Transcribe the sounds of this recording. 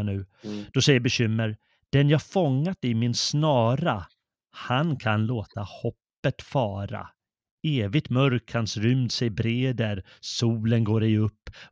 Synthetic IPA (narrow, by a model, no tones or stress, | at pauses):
nʉ̟ːd̪̥ɔsɛjːəɾbɛɕʏmːəɾ | d̪̥ɛnjɑːafɔŋːat̪ɪmɪnsnɑːɾa | hankʰanloːt̪ahɔpːət̪fɑːɾa̰ | eːvɪɡ̚t̪mœɾkhansɾʏmd̪sɛjbɾeːd̪æɾsuːlənɡoːɾɛɵpː